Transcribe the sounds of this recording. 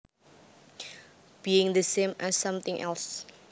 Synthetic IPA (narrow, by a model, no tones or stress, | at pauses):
b̥iɪ̃ŋðəsẽmʔɛsːʌ̃mθɪ̃ŋʔɛ̰ls